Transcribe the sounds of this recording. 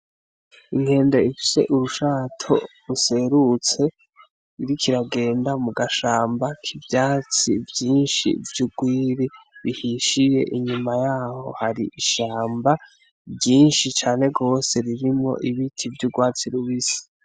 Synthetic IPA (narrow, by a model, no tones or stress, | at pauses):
iŋhe̞ːnde̞ifi̥se̞̰ʔuɾuʃaːtʰo̞ | use̞ɾut͡se̞ | iɾikʰiɾaɡe̞ːndamuɡaʃaːmbakʰibjaːt͡sivjiːnʃḭvjuɡwiːɾiβihiʃije̞̰ʔiɲumajaːho̞̰haɾḭʔiʃaːmba | bjiːnʃit͡ʃaːne̞ɡo̞ːse̞ɾiɾimŋo̞̰ʔiβitʰivjuɡwaːt͡siɾuβisi̥